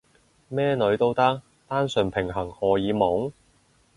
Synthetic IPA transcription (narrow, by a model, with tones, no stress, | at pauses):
mɛː˥nɵ˨˧ɥt̪o˥wt̪ɐ˥k̚ | t̪aː˥nsɵ˨˩npʰɪ˨˩ŋɦɐ˨˩ŋhɔː˨˩jiː˨˧mɔː˨˥ŋ